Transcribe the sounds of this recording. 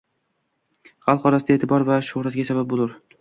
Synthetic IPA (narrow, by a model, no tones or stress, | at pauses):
χɑlˠqʰɒɾasɪd̪ae̞ːt̪ʰɪbɒɾvaʃʊhɾat̪̚ɡʲasabap̚bolˠʊɾ